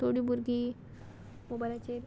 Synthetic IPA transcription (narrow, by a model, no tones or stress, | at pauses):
t̪ʰoɽiːbuɾɡiː | mobalat͡ɕeɾ